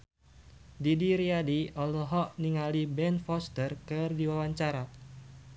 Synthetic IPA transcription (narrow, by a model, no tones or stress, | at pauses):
didiɾiadiɔlɔɦɔʔniŋalibɛnfɔst̪ərkɨrdiwawaɲt͡ʃaɾa